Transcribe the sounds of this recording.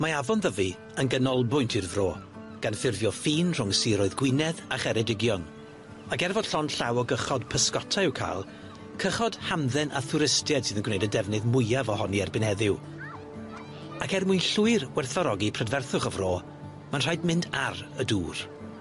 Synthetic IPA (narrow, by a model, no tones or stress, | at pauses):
maavɔnðəvi | ənɡənɔlˠbʊjntʰirðroː | ɡ̥anfɪrvjɔfiːnr̥ʊŋsiːɾoːɨðɡwɪnɛðaχɛɾɛdɪɡjɔn | akɛrvɔd̥ɬɔnɬawɔɡəχɔd̥pʰəskɔtʰaɨwkʰa̰ːlˠ | kʰəχɔd̥hamðɛnʔaθʊɾɪstjɛd̥sɨðənɡwnejdədɛvnɨðmʊjavɔɦɔniɛrbɪnhɛðɪw | akɛrmuɨnɬʊɨrwɛrθvaɾɔɡipʰrɛdvɛrθʊχɔvroː | manr̥ajdmɪndarəduːr